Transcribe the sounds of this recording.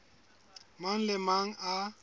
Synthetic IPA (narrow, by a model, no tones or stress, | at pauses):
maŋ̩lɪmaŋ̩ʔa